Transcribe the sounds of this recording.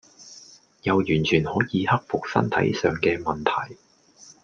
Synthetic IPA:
jɐ˨˧wjyː˨˩nt͡ʃʰyː˨˩nhɔː˨˥jiː˨˧hɐ˥k̚fʊ˨k̚sɐ̰˥nt̪ʰɐ̰˨˥jsœː˨ŋkɛː˧mɐ˨nt̪ʰɐ˨˩j

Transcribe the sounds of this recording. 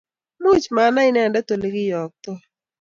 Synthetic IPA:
mu˦t͡ʃma˨na˦ɪ˦nɛ˨ndɛ˦t̪o˨le˦ɡɪ˦jɔ˨k̚t̪ɔ˦

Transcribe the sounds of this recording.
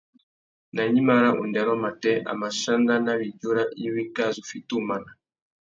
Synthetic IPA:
na˨ɲi˦ma˦ɾa˦ʔṵ˨ndɛ˨ɾɔ˦ma˨tɛ˦ʔa̰˨ma˨ʃa˦nda˦na˦βi˨ɟu˦ɾa˦ʔi˦wi˦ka˦zu˨fi˦tu˦ma˦na˨

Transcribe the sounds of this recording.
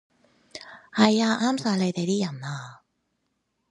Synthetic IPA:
hɐ˨jaː˧ʔaː˥msaː˨˧le˨˧jt̪e˨jt̪iː˥jɐ˨˩naː˧

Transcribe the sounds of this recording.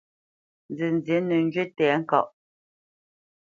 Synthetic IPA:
nd͡zə˨n˨d͡zje˨˦nə˨ŋ˦d͡ʒɥe˦tɛː˨˦ŋ̩˦kɔ˨ʔ

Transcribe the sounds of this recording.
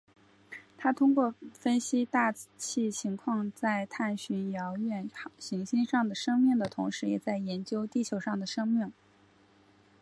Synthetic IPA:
t̪ʰa˥t̪ʰʊ˥ŋkwɔ˥˩fə˥nɕi˥t̪a˥˧t͡ɕʰi˥˩t͡ɕʰi˧˥ŋkʰwɑ˥˧ŋt͡sa˥˧ɪt̪ʰa˥˩nɕy˧˥njɑ˧˥ʊɥɛ˥˩nɕi˧˥ŋɕi˥nʂɑ˥˩ŋd̪ə˩ʂɤ˥ŋmi˥˩ŋd̪ə˩t̪ʰʊ˧˥ŋʂɻ̩˧˥jɛ˨˩t͡sa˥˩ɪjɛ˧˥nt͡ɕjo˥ʊt̪i˥˩t͡ɕʰjo˨˧˥ʊʂɑ˥˩ŋd̪ə˩ʂɤ˥ŋmi˥˩ŋ

